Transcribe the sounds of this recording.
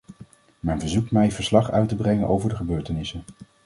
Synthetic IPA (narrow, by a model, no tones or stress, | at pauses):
mɛjnvəɹzukmɛjvəɹslɑχœ̰ɥtəbrɛŋənʔo̰wvəɹdəχəbøːɹtənɪsən